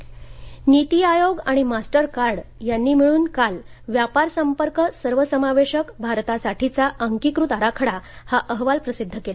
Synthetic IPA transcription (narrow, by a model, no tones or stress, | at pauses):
nit̪iajoɡaɽ̃imasʈəɾkaɾɽjanːiːm̤iɭuːnkalʋjapaɾsəmpəɾkəsəɾʋəsəmaʋeɕəkbʱaɾt̪asaʈʰit͡saʔəŋkikɾut̪aɾakʰəɽahaʔəɦʋalpɾəsid̪ʱːəkela